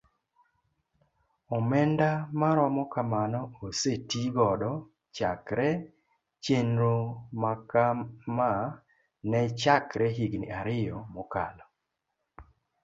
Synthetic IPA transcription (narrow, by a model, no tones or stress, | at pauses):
ɔmɛndamaɾɔmɔkamanɔosetiɡɔdɔ | t͡ʃakɾɛ | t͡ʃenɾomakama | nɛt͡ʃakɾɛɦiɡnɪ̰aɾɪjɔmɔkalɔ